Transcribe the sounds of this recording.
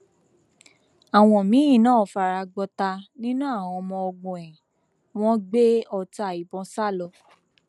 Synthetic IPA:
a˨w̃ɔ̃˨mĩ˨˦ĩ˦˨nãː˦˨fa˨ɾa˧ɡ͡bɔ˧ta˧nĩ˦nũ˦a˦˨wɔ̃˨˧mɔ̃˧ɔ˧ɡ͡bũ˨ɛ̃˨ | w̃ɔ̃˦ɡ͡be˦ɔ˧ta˧˨i˨bɔ̃˧˦sa˦˨lɔ˧

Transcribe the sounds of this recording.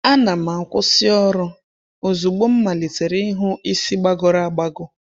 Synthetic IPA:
a˦na˨m̩˨a˨kʷʊ˦sɪ˦ɔ˦ɾʊ˦ | o˨zu˨ɡ͡bo˦m̩˦ma˨li˨te˨ɾi˦i˦ɦʊ˦i˦si˦ɡ͡ba˦ɡɔ˨ɾa˦a˨ɡ͡ba˦ɡʊ˦

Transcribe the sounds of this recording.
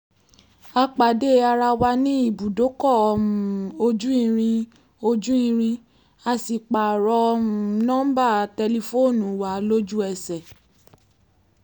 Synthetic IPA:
a˧k͡pa˨de˦a˧ɾa˧wa˧nĩ˦i˦˨bu˨do˨˦kɔ˦˨ɔ˧uũ˨o˧d͡ʒu˦ĩ˦˧ɾ̃ĩ˧ | o˧d͡ʒũ˦ĩ˧ɾ̃ĩ˧ | a˧si˨k͡pa˨ɾɔ̃˧ũ˨nɔ̃˦ba˦˨tɛ˧li˧fo˦˨nũ˨˦wa˨˦lo˦d͡ʒu˦ɛ˧˨sɛ˨

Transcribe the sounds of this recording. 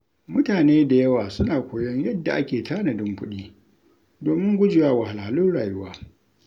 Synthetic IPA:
mʊ˦taː˨neː˦da˨jɐ˦waː˨sʊ˦naː˨kʷoː˨jɔ˦ɲjɐ˦dːa˨ʔa˦kʲeː˨taː˦na˨dʊ˦mkʊ˦ɗiː˦ | doː˨mɪ˦ŋɡʷʊ˦d͡ʒɪ˨waː˦wa˨ha˨la˨ha˨lʊ˦nɽaː˨jʊ˦waː˦

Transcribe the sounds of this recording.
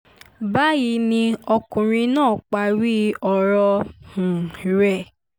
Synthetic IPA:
ba˦ji˧˦nĩ˧ɔ˧kũ˨ɾ̃ĩ˧nãː˦˨k͡pa˨˦ɾi˦ɔ˨ɾɔ˧hũ˨ɾɛ˦˨

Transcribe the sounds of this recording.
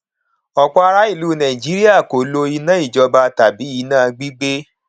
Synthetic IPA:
ɔ˨k͡pɔ˦˧a˧ɾa˦i˦˨luː˨˦˨nã˨ĩ˨d͡ʒi˨˦ɾi˦a˦˨ko˨lo˧i˧nã˦i˦˨d͡ʒɔ˧ba˧ta˨bi˨˦i˨˦nãː˦˨˧ɡ͡bi˦ɡ͡be˦

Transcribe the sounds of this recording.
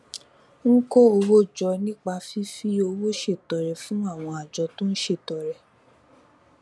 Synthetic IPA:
ŋ̩˦ko˦o˧wo˦d͡ʒɔ˧nĩ˦k͡pa˧fi˦fi˦o˧wo˦ʃe˦˨tɔ˨ɾɛ˨fũ˨˦a˦˨w̃ɔ̃˧a˨d͡ʒɔ˧˦to˦n̩˦ʃe˦˨tɔ˨ɾɛ˨

